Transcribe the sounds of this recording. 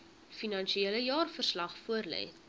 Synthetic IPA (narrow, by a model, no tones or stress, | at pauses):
finɐnʃieləjɑːrfərslɐχfuərlɛ̰j